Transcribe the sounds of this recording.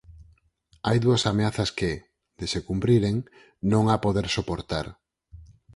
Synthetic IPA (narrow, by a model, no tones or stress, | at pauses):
ajðuɐsameaθɐskɪ | d̪esekumpɾiɾeŋ | nõŋapoðeɾsopoɾt̪a̰ɾ